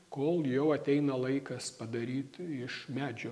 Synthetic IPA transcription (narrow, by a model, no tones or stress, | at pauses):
koːlˠjɛʊɐt̪ʲɛɪnɐlˠɐɪkɐspɐd̪ɐɾʲiːt̪ɪʃmʲæːd͡ʒʲo